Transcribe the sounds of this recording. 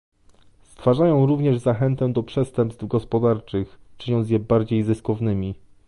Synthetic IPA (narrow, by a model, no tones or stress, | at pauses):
st̪faʐajɔ̃w̃ɾuvɲɛʐzaxɛnt̪ɛd̪ɔpʂɛst̪ɛmpst̪vɡɔspɔd̪aɾt͡ʂɘxt͡ʂɘɲɔnt̪sjɛbaɾd͡ʑejzɘskɔvnɘmʲi